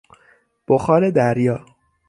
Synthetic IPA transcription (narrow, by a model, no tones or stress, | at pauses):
b̥oxɒːɾed̪æɾjɒː